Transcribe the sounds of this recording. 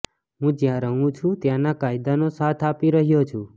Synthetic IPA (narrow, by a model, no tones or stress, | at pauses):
ɦũd͡ʒjãɾəɦũt͡ʃʰũt̪jãnakaid̪anosat̪ʰapiɾəɦjot͡ʃʰũ